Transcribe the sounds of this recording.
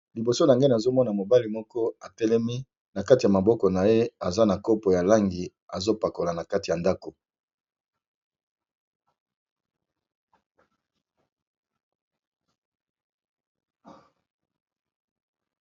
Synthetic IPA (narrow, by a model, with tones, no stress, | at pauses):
li˨bo˨so˦na˨ŋɡe˦na˨zo˦mɔ˦na˨mo˨ba˦li˨mɔ˦kɔ˦a˨tɛ˦lɛ˦mi˦ | na˨ka˦ti˨a˨ma˨bɔ˦kɔ˨na˨je˦a˨za˦na˨ko˦po˨ja˨la˦ŋɡi˨ | a˨zo˦pa˨ko˨la˨na˨ka˦ti˨ja˨nda˦ko˨